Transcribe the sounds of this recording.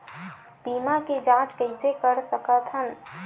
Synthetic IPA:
bimaked͡ʒãt͡ʃkəɪsekəɾsəkət̪ʰɦən

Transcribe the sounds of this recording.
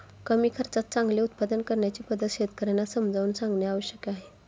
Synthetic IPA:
kəmiːkʰəɾt͡sat̪̚t͡sãŋɡleut̪̚pad̪ənkəɾɳjat͡ɕiːpəd̪ʱət̪ɕet̪kəɾanasəmd͡zʱauːnsãŋɡɳjaaʋəɕjəkeaɦe

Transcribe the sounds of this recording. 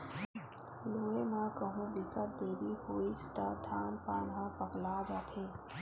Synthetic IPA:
loːemãkəɦũbɪkəɾd̪eːɾiɦoːist̪əd̪ʱaːnpaːnɦãpəklad͡ʒaːt̪ʰeː

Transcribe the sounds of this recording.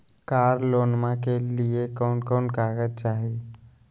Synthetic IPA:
kaːɾloːnmãkeliekɔːnkɔnkaːɡət͡ʃaːɦi

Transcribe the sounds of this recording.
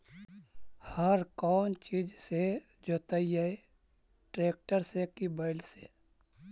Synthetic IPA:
həɾkɔːnt͡ʃiːd͡ʒse | d͡ʒoːt̪ɐijae | ʈɾeːk̚ʈəɾsekibaɪlsḛ

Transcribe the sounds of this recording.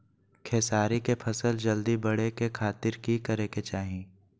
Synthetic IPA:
kʰeːsaːɾikepʰɐsəld͡ʒɐld̪ibɐɽ̤ekekʰaːt̪ɪɾkikɐɾeket͡ʃaːɦĩː

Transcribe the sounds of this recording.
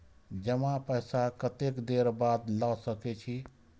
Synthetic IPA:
d͡ʒəmãpəjsakət̪ekd̪eɾbad̪lasəket͡ʃʰi

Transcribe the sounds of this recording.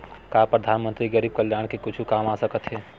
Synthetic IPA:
kaːpɾəd̪ʱaːnmə̃nt̪ɾiɡəɾiːb̚kəljaːɽ̃kekʊt͡ʃʰukaːmasəkət̪ɦɛː

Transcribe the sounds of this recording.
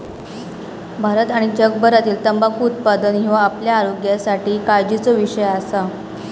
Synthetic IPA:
bʱaɾət̪aɽ̃id͡ʑəɡbʱəɾat̪iːlt̪əmbakːt̪̚pad̪ənɦĩʋaːpljaːɾoɡjasaʈiːkad͡ʑit͡soʋiɕəjasa

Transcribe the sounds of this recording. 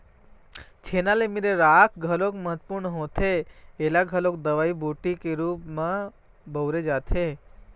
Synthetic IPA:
t͡ʃʰenalemiɾeɾakʰɡʱəlokməɦət̪puɾɳɦõt̪ʰeelaɡʱəlok̚d̪əʋaibʱuʈikeɾupmã | bʱəwɾed͡ʒat̪ʰe

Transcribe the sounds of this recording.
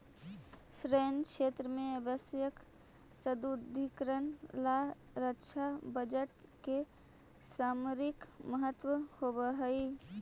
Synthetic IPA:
sɾəənkʃʰet̪ɾəmẽəbəsjək | səd̪ud̪ʱikɾənla | ɾəkt͡ʃʰabəd͡ʒəʈ̚ke | samuɾikməɦət̪wəhobəɦəi

